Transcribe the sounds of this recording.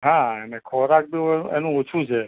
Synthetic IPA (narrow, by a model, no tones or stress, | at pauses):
ɦãenekʰɔɾak̚bioeenũot͡ʃʰũt͡ʃʰe